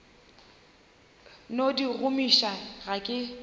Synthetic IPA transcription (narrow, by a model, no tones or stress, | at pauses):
nodiɣʊmiʃaɣakʼɪ